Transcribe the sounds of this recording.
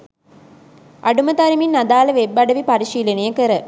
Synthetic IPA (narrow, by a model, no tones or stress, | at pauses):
ʔaɖumət̪ɐɾiminːad̪aːlɐʋebːɐɖɐʋipaɾiʃiːlənijəkəɾə